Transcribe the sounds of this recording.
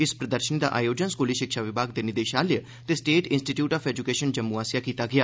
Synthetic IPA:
ɪspɾəd̪əɾʃənid̪a̰ːʔa̰ːjoːd͡ʒənskoːliʃɪkʃaːʋɪbʱaːɡd̪eːnɪd̪eːʃaːljə | t̪eːsʈeːʈɪ̃nsʈiːʈjuːʈaːpʰɛːd͡ʒʊkeːʃənd͡ʒəmuaːsijaːkiːt̪aːɡɪjaː

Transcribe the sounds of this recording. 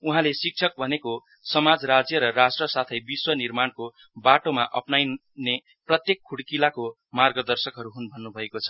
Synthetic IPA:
uɦãlesik̚t͡sʰʌk̚bʱʌneko | sʌmad͡zɾad͡zjʌɾʌrasʈrʌsat̪ʰʌjbiswʌnirmanko | baʈomaʔʌ̰pnaj | ne | prʌt̪jekʰːuɽkilako | marɡʌd̪ʌrsʌkɦʌɾuɦunbʱʌnːubʱʌekot͡sʰʌ̥

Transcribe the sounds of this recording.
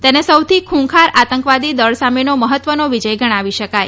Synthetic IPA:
t̪enesəwt̪ʰikʰũkʰaɾat̪əŋkʋad̪id̪əɭsamenoməɦət̪ʋənoʋid͡ʒəjɡʱəɽ̃ãʋiʃəkaj

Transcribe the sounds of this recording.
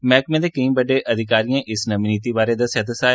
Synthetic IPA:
mɛːkmẽːd̪eːkəĩːbəɖeʔəd̪ʱɪkaːɾijãːʔɪsnəminiːt̪ibaːɾed̪asəd̪əsaː

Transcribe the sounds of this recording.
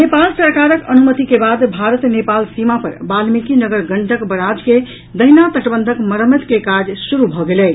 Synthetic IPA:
nepalsəɾkaɾəkənumət̪ikebad̪bʱaɾət̪nepalsimapə̰ɾbalmikinəɡəɾɡəɳɖəkbəɾad͡ʒke | d̪əɦinat̪əʈbənd̪ʱəkməɾəmet̪kekad͡ʒsuɾubʱɔɡelɛ

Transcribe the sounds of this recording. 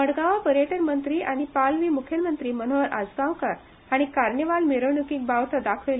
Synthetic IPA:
məɽɡaʋapəɾeʈəɾmənt̪ɾiːʔaɽ̃ipalʋiːmukʰjəlmənt̪ɾiːmən̤oʋəɾʔa̰d͡zɡãwkaɾ | aɽ̃ikaɾɳjəʋalmiɾəʋɳukiːk̚baʋt̪ad̪akʰʋel

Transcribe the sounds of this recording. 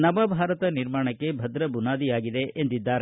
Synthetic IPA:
nɐmɐbʱaːɾɐt̪ɐniɾmaːɳɐkːe̞bʱɐd̪ɾɐbunaːd̪ijaːɡid̪e̞end̪id̪ːaːɾe

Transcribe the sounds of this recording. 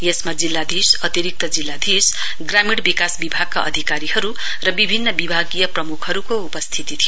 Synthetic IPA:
jesmad͡zilːad̪ʱisʌt̪iɾik̚t̪ʌd͡zilːad̪ʱis | ɡramiɽbikasbibʱaɡ̚kaʔʌ̰d̪ʱikaɾihʌɾu | rʌbibʱinːʌbibʱaɡijʌprʌmukʰhʌɾukoupʌst̪ʰit̪it̪ʰijo

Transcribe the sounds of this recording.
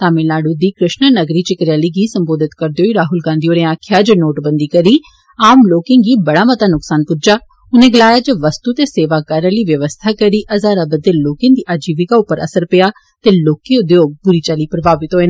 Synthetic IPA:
t̪aːmẽnaːɽud̪iːkɾɪʃnənəɡɾiːt͡ʃɪkɾjaːliːɡiːsə̃mboːd̪ɪt̪kəɾd̪ejoːiɾaːɦʊlɡãːnd̪ioːɾẽaːkʰjaːd͡ʒənoːʈbə̃nd̪iːkəɾiː | aːmloːkẽːŋɡiːbɐɽaːmət̪aːnʊksaːnpʊd͡ʒaː | ʊnẽːɡəlaːjaːd͡ʒəʋəst̪uːt̪eːseːʋaːkəɾəliːʋjəʋəst̪ʰaːkəɾiːʔəzaːɾabəd̪eːloːkẽːnd̪iːʔaːd͡ʒiːʋɪkaːʊpːəɾə̰səɾpɪjaː | t̪eːloːkẽʊd̪eoːbʊɾiːt͡ʃaliːpɾəbaːʋɪt̪ɦoːeːn

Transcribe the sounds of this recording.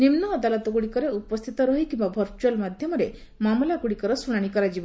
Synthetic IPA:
nimnɔːd̪alɔt̪ɔkuɽikɔɾeupɔst̪ʰit̪ɔɾɔɦikimbabʱɔɾt͡ʃualmad̪ʱjɔmɔɾe | mamɔlakuɽikɔɾɔsuɽ̃aɽ̃ikɔɾad͡ʒibɔ

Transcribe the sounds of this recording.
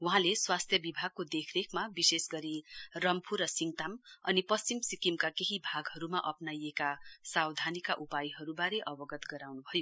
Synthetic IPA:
wuɦãleswast̪ʰjʌbibʱaɡ̚kod̪ekʰrekʰmabisesɡʌɾirʌmpʰurʌsiŋt̪amʌnipʌst͡ɕimsikimkakeɦibʱaɡɦʌɾumaʔʌpnajekasawd̪ʱanikaʔupajɦʌɾubaɾeʔʌbʌɡʌt̪ɡʌɾawnubʱʌjo

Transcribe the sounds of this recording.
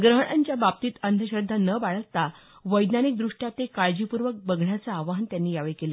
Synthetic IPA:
ɡɾəɦɳ̃aɲt͡ɕjabapt̪iːt̪ənd̪ʱəɕɾəd̪ʱːanəbaɭət̪ːa | ʋəjd̪nanik̚d̪ɾuʂʈjat̪ekaɭd͡ʑipuɾʋək̚bəɡʱɳjat͡saːʋaɦnt̪janːiːjaʋeɭkelə

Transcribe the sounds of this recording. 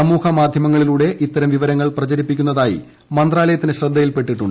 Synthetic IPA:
ɐmuːhɐmaːd̪ʱjɐmɐŋːɐɭiluːɽe̞ʔit̪ːɐɾɐmʋiʋɐɾɐŋːɐɭprɐt͡ɕɐɾipːikʲːunːɐðaːjḭ | mɐnd̪raːlɐjɐt̪ːinɨɕrɐd̪ʱːɐjilpe̞ʈːiʈːuɳɖ

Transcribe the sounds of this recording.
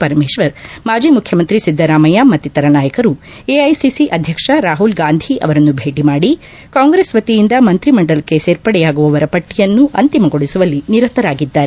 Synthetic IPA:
pɐɾɐmeːʃʋɐɾmaːd͡ʒiːmukʰjɐmɐnt̪ɾisid̪ʱːɐɾaːmɐjamɐt̪ːit̪ɐɾɐnaːjɐkɐɾu | eɐjsisiʔɐd̪ʱjɐkʂɐɾaːɦulɡaːnd̪ʱiʔɐ̰ʋɐɾɐnːubʱe̞ːʈimaːɽi | kaːŋɡɾeːsʋɐt̪ijind̪ɐmɐnt̪ɾimɐɳɖɐlɐkːe̞seːɾpɐɽɛjaːɡuʋɐʋɐɾɐpɐʈːijɐnːuʔɐnt̪imɐɡo̞ɽisuʋɐlːiniɾɐt̪ɐɾaːɡid̪ːaːɾe

